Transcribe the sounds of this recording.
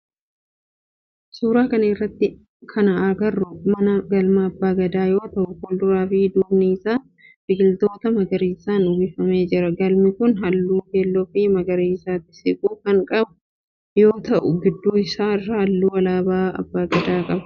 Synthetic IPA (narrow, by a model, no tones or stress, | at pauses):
suːɾaːkɐnɐɪrːɐt̪ːɪ | kʰɐnɐaɡɐrːʊmɐnɐɡɐlmɐːbːaːɡɐd̪aːjo̞ːt̪ɐʔʊkʊld̪ʊɾaːfiːd̪uːbniːɪsaː | fɪɡɪlt̪o̞ːt̪ɐmɐɡɐɾiːsaːnʊbɪfɐme̞ːd͡ʒɪɾɐɡɐlmɪkʊnɦɐlːuːkeːlːɔfiːmɐɡɐɾiːɪsaːt̪ːɪ̥sɪkʼuːkɐŋkʼɐbʊ̥ | jo̞ːt̪ɐʔʊɡɪd̪ːuːɪsaːɪrahɐlːuːwɐlaːbaːɐ̰bːaːɡɐd̪aːkʼɐbɐ̥